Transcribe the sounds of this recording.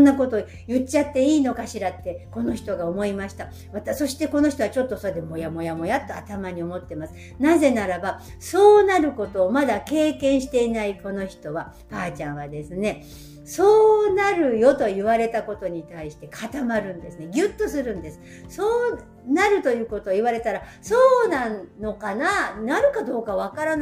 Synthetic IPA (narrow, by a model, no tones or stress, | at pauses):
onːako̞t̪oː | jɯ̟t͡ɕːat̪ːe̞iːno̞kaɕiɾat̪ːe̞ko̞no̞çi̥t̪o̞ɡaomo̞imaɕi̥t̪a | βat̪aso̞ɕi̥t̪e̞ko̞no̞çi̥t̪o̞βat͡ɕo̞t̪ːo̞soed̪emo̞jamo̞jamo̞jat̪ːoat̪amaɲ̟io̞mo̞t̪ːe̞masɨ̥ | naze̞naɾaba | so̞ːnaɾɯ̟ko̞t̪o̞ːmad̪ake̞ːkẽ̞ɰ̃ɕi̥t̪e̞inaiko̞no̞çi̥t̪o̞βa | paːt͡ɕãɰ̃βad̪e̞sɨne̞ | so̞ːnaɾɯ̟jo̞t̪o̞jɯβaɾe̞t̪ako̞t̪o̞ɲ̟it̪aiɕi̥t̪e̞kʰat̪amaɾɯ̟̃nd̪e̞sɨne̞ɡʲɯ̟t̪ːo̞sɨɾɯ̟̃nd̪e̞sɨ̥ | soː | naɾɯ̟t̪o̞jɯ̟ːko̞t̪o̞ːiβaɾe̞t̪aɾa | so̞ːnãno̞kananaɾɯ̟kad̪o̞ːkaβakaɾana